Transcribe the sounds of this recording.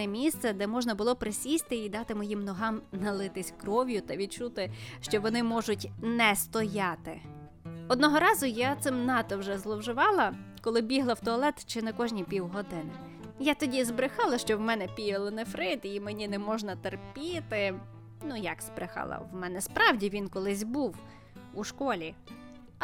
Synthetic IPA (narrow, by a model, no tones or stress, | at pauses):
ɛmʲist̪sɛd̪ɛmɔʒnɐbʊlˠɔpɾɪsʲisʲt̪ɪid̪ɑt̪ɪmɔjimnɔɦɑmnɐlˠɪt̪ɪsʲkɾɔʋʲjʊt̪ɐʋʲid̪̚t͡ʃut̪ɪʃt͡ʃɔʋɔnɪmɔʒʊtʲnɛst̪ɔjɑt̪ɪ̰ | ɔd̪̚nɔɦɔɾɑzʊjat̪sɪmnɑt̪ɔwʒɛzlˠɔwʒɪʋɑlˠɐkɔlˠɪbʲiɦlˠɐwt̪ɔɐlˠɛt̪t͡ʃɪnɛkɔʒnʲipʲiwɦɔd̪ɪnɪ | jat̪ɔdʲizbɾɪxɑlˠɐʃt͡ʃɔwmɛnɛpʲijɪlˠɔnɛfɾɪt̪imenʲinɛmɔʒnɐt̪erpʲit̪ɪ | nujɐksbɾɪxɑ̰lˠɐ̰wmɛnɛspɾɑwdʲiʋʲinkɔlˠɪsʲbuw | uʃkɔlʲi